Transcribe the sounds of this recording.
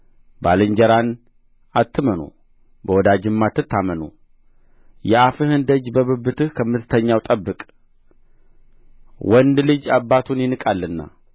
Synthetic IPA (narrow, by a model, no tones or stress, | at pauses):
balɨɲd͡ʒəɾan | at̪ːɨmənṵ | bəwɔd̪ad͡ʒɨmːat̪ːɨt̪ːamənṵ | jɛafɨhɨnd̪əd͡ʒbəβɨbːɨt̪ʰɨhkʰəmɨt̪ʰɨ̥t̪ʰəɲːawt̪ʼəbːɨkʼ | wɔnd̪lɨd͡ʒabːat̪ʰunjɪnɨkʼalːɨnːa̰